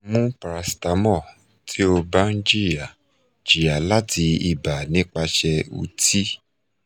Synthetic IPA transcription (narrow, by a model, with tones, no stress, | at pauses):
mũ˦pɾa˨si˨ta˨˦mɔ˦˨ | tʰi˦o˧ba˦n̩˦d͡ʒi˦i˨a˨ | d͡ʒi˨a˨la˦ti˧i˧ba˨nĩ˨˦k͡pa˧ʃɛ˧ṵ˧ti˦